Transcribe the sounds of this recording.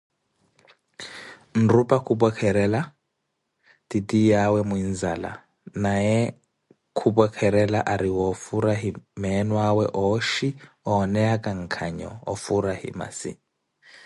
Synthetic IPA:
n̩rupʼakʰubɔkʰɛɾɛla | titijawɛmuinzala̰ | najɛ | kʰubɔkʰɛɾɛlaʔaɾiwɔfuɾaɦimɛnwawɛʔɔʃi | ɔnɛakʼaŋ̩kʰaɲɔ̰ɔ̰fuɾahḭma̰sḭ

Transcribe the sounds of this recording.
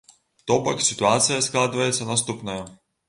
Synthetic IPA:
t̪opɐksʲɪt̪ʊat̪sɨjəsklˠad̪ɨvəjɪt̪sənɐst̪upnəjə

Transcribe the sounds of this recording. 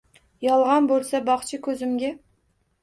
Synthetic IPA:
jɑlˠʁɑnbolˠsabɑχt͡ʃʰɪkʲʰɵzɪmɡʲæ

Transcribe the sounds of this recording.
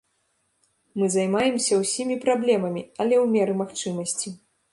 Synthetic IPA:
mɨzajmajɛmsʲɐwsʲimʲipɾablʲɛmɐmʲiɐlʲɛwmʲɛɾɨmaxt͡ʂɨmɐsʲt͡sʲi

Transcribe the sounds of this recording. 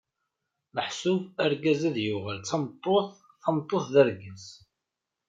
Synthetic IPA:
məħsʊvæɾɡæzæðjʊʁəlt͡sːɑmt̪ˤːoθ | θɑmt̪ˤːoθðəɾɡəz

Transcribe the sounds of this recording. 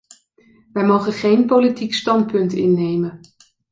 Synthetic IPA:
ʋɛjmowχənχejnpowlitikstɑntpɵntɪnːejmən

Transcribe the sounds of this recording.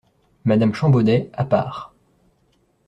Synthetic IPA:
mad̪amʃɑ̃bod̪ɛapa̰ːʁ

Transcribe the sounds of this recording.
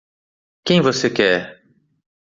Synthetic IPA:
kẽj̃vosekɛɾ

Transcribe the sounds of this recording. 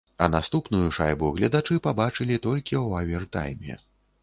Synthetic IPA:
ɐnast̪upnujuʂa̰jbuɣlʲɐd̪at͡ʂɨpabat͡ʂɨlʲit̪ɔlʲkʲiwavʲɛrt̪a̰jmʲɛ̰

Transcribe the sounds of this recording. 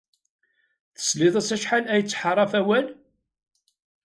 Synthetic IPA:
θə̥sliðˤæsæʃħalæjət͡sːħərˤːɑfæwæl

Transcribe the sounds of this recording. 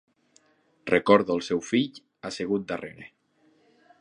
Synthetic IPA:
rekɔɾðoəlˠsɛwfiʎ | aseɣ̞ut̪̚d̪areɾe

